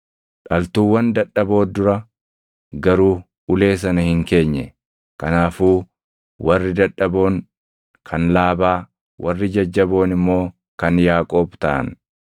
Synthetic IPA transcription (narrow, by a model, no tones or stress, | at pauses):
ᶑɐlt̪uːwːɐnd̪ɐᶑːɐbo̞ːd̪ʊɾɐ | ɡɐɾuː | ʊle̞ːs̬ɐnɐhɪŋke̞ːɲːɛ̰ | kɐnaːfuː | wɐrːɪd̪ɐᶑɐbo̞ːŋ | kʰɐnlaːbaː | wʔɐrːɪd͡ʒɐd͡ʒːɐbo̞ːnɪmːo̞ː | kɐnjaːkʼo̞ːbt̪a̰ːʔɐ̰n